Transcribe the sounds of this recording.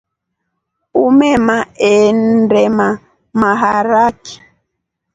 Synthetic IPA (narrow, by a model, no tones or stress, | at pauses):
umɛmaɛndɛma | maɦaɾaki̥